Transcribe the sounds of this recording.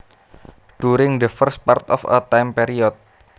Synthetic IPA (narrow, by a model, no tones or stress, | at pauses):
ɖ̥uɾɪŋd̪əfərst̪̚part̪ɔ̰fə̰t̪ajmpeɾiɔt̪̚